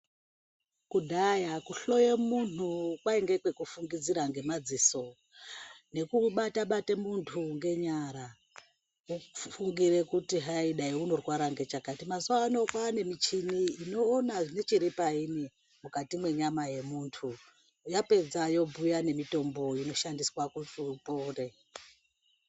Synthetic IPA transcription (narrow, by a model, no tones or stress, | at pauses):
kudʱajakuɬo̞jemun̤ukwaeŋɡe̞kwe̞kufuŋɡid͡ziɾaŋɡe̞mad͡ziso̞ | ne̞kuɓataɓatemuntʰuŋɡe̞ɲaɾa | ufuŋɡire̞kutiɦaiɗaiuno̞rwaɾaŋɡe̞t͡ʃakatimazwano̞kwaːne̞mit͡ʃiniːno̞ːnaʐine̞t͡ʃiɾipaini | mukatimwe̞ɲamaje̞muːntʰu | jape̞d͡zajo̞bujane̞mito̞mbo̞ino̞ʃandiswakutupo̞ːre̞